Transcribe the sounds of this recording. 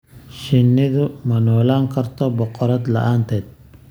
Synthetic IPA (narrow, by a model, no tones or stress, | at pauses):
ʃɪnːɪðʊmɐnɔːlaːŋkʰɐrt̪ʰɔbɔqɔɾɐd̪lɐ̰ʔaːnt̪ʰɛːd̪̥̚